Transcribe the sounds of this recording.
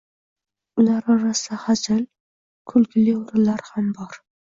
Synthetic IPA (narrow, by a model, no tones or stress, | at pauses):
ʊlaɾɒɾasɪd̪ahad͡ʒal | kʰʊlkʲʰlɪʊɾɪlaɾhambɒɾ